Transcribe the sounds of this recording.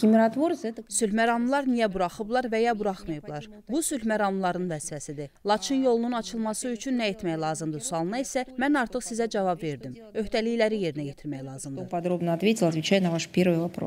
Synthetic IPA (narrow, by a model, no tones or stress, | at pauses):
kʲɪmʲɪɾat̪vorsɛt̪əsylmæɾɑmlˠɑɾnijæbuɾɑχɯblˠɑɾvæjɑbuɾɑχmɯjɯblˠɑɾ | busylmæɾɑmlˠɑɾɯnvæzfæsid̪ilˠɑt͡ʃʰɯnjo̞lˠununɑt͡ʃʰɯlˠmɑsɯyt͡ʃʰynːæe̞t̪mæjlˠɑːzɯmd̪ɯsuɑlˠɯnɑisæmænɑɾt̪ʰɯχsizæd͡ʒɑvɑbve̞ɾd̪im | ø̞hd̪ælijlæɾije̞ɾinæje̞t̪ʰiɾmæjlˠɑːzɯmd̪opɐd̪ɾo̞bnəɐt̪vʲetʲɪlˠɐt̪vʲɪt͡ɕæjnɐvaʂpʲe̞ɾvɨjvɐpɾo̰s